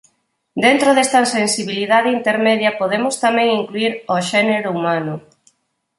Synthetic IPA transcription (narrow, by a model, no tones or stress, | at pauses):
d̪ent̪ɾoðest̪ɐsensiβiliðaðeint̪eɾmeðjɐpoðemʊst̪amɛ̃ŋiŋkluiɾoʃɛneɾʊumanʊ